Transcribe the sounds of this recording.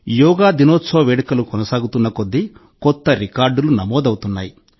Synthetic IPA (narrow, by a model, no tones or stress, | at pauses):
jɔːɡaːd̪inoːsoːʋeːɽikɐlukɔnɐsaːɡut̪unːɐkod̪ːi | kɔt̪ːɐɾikaːɾɖulunɐmɔːd̪ɐwut̪unːa̰ːji